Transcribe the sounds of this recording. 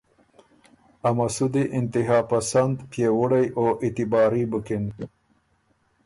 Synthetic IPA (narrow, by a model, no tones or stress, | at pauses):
amasud̪iʔɪnt̪ɪɦɑːpasand̪pjewʊɽajoʔɪt̪ɪbɑːɾibəkɪn